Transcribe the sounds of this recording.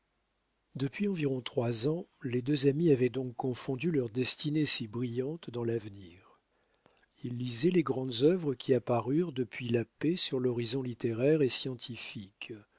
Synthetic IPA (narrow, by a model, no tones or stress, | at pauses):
d̪əpɥiɑ̃viʁɔ̃t̪χwazɑ̃led̪øzamiavɛd̪ɔ̃kːɔ̃fɔ̃d̪ylœʁd̪ɛst̪inesibʁijɑ̃t̪d̪ɑ̃lavniːʁ | ilːizɛleɡʁɑ̃d̪zœvʁəkʲiapaʁyʁd̪əpɥilapesyʁlɔʁizɔ̃lit̪eʁɛʁesjɑ̃t̪ʰifik